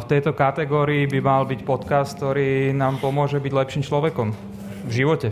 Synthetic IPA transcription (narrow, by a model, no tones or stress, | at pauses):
ft̪ɛjt̪ɔkat̪ɛɡɔːɾiːbimalbicpɔt̪kast̪k̚t̪ɔɾiːnaːmpɔmʊɔʒɛbiɟlɛpʃiːmt͡ʃlɔʋɛkɔm | vʒiʋɔcɛ